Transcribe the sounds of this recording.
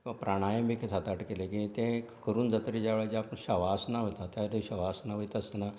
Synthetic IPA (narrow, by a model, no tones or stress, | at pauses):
kʲĩʋapɾaɽ̃ajəmbikʰesat̪aʈkelekĩt̪ẽ | kəɾuːnd͡zət̪ɾid͡ʑaʋɭat͡ɕeapəɳɕəʋasnaʋət̪at̪jaɾɕəʋasnaʋəit̪əsna